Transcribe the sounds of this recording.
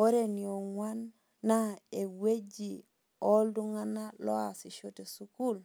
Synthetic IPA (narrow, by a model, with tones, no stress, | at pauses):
o˦ɾe˨ni˨o˨ŋwanː | a˦e˨we˦d͡ʒi˨ | o˦ldu˦ŋa˦na˦lo˦a˨si˨ʃo˦te˨su˦ku˦l